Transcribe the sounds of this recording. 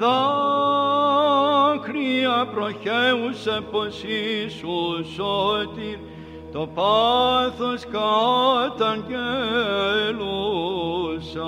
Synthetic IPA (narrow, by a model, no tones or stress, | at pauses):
ða | kɾiɐpɾoçeuseposisusot̪iɾ | t̪opaθoskat̪ɐnɡe | lu | sɐ